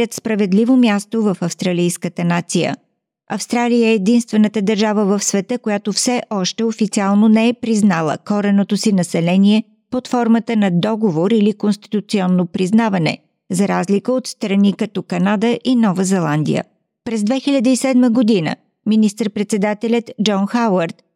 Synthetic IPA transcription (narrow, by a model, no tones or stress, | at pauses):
ət̪spɾɐvɛd̪livomjast̪ovɐfɐfst̪ɾɐlijskət̪ənat̪sijə̰ | ɐfst̪ɾalijəɛːd̪inst̪vɛnət̪əd̪ɐɾʒavəvəfsvɛt̪əkojat̪ofsɛʔɔʃt̪ɛofit̪sialˠnonɛɛpɾiznalˠə̰kɔɾɛnot̪osinɐsɛlɛniɛ | pot̪fɔɾmət̪ənɐd̪ɔɡovoɾilikonst̪i̥t̪ut̪siɔnːopɾiznavɐnɛ̰ | zɐɾazlikəot̪st̪ɾɐnikɐt̪ɔkɐnad̪əʔinɔvəzɛlˠand̪ḭjə̰ | pɾɛzd̪vɛxilʲɐd̪əisɛd̪məɡod̪inə̰ | minist̪əɾpɾɛt̪sɛd̪at̪ɛlʲət̪d͡ʒɔnxawəɾt̪